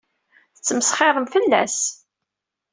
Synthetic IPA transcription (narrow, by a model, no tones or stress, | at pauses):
θət͡sːəməsχɪðˤəmfəlːæ̰s